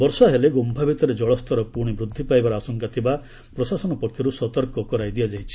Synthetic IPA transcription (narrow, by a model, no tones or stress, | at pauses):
bɔɾsɔɦeleɡombʱabʱit̪ɔɾed͡ʒɔɭɔst̪ʰɔɾɔpuɾɽ̃ibɾud̪ʱːipajbaɾɔasɔŋkat̪ʰiba | pɾɔsasɔnɔpɔkʰːjɔɾusɔt̪ɔɾkɔkɔɾajd̪ijad͡ʒajt͡ʃʰi̥